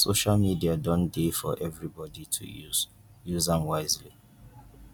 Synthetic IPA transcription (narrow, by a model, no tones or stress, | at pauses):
soʃalmidiadɔ̃ndefɔ̰ʔɛvɹibɔditʰṵu̥ | juzãnwaɪzlḭ